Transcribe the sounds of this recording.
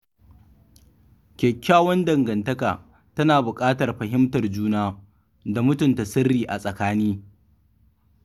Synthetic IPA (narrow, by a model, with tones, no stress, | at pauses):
kʲɛ˨kʲːaː˦wɔ˦ndɐ˨ŋɡɐ˨ntɐ˦kaː˨ | tɐ˦naː˨bʊ˨kʼaː˦tɐ˨rɸɐ˨ɦɪ˦mtɐ˨rd͡ʒuː˦naː˦ | da˨mʊ˦tʊ˨nta˨sɪ˦rːiː˨ʔa˨sʼɐ˨kaː˦niː˦